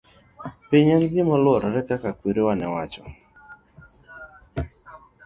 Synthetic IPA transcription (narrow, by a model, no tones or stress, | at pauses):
piɲanɡɪmɔlwɔɾɔɾɛkakakweɾewanɛwat͡ʃɔ